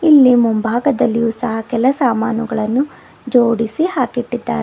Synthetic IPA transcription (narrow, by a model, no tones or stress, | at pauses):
ilːimumbʱaːɡɐd̪ɐlːijuːsɐɦɐkɛlɐsaːmaːnuɡɐɭɐnːu | d͡ʒoːɽisihaːkiʈːid̪ːa̰ːɾe